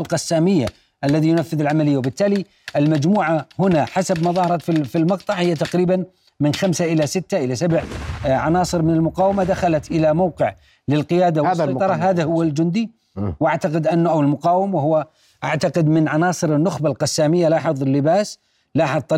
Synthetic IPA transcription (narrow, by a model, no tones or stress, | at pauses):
lqɑsːaːmɪjːa̰ | ʔalːaðijʊnafːɪðɪlʕamalɪjːawbɪt̪ːaːli | ʔɪlmad͡ʒmuːʕahʊnaħasabmɑðˤɑːhɑɾˤɑt̪fifilmɑqt̪ˤɑʕhɪjːat̪aqɾiːban | mɪnxamsaʔɪlasɪt̪ːaʔɪlasabʕʕanɑːsˤɨɾmɪnɪlmʊqɑːwamad̪axalat̪ʔɪlamawːqɪʕ | lɪlqɪjaːd̪awɑj̪ˤɑɾˤɑɦaːðahʊwːald͡ʒʊnd̪i | wʔaʕt̪aqɪd̪ʔanːʊʔawɪlmʊqɑːwɪmawahʊwːa | ʔa̰ʕt̪aqɪd̪mɪnʕanɑːsˤɨɾɪnːʊxbalqɑsːaːmɪjːalaːħɨðˤɪlːɪbaːs | laːħɨðˤt̪ˤɑ